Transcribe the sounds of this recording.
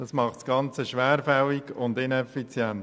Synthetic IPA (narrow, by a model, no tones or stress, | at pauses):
d̥ɑsmɑχtsɡ̥ɑnt͡səʃʋæːɾfɛliɡʊnd̪ɪnɛfit͡sjɛnt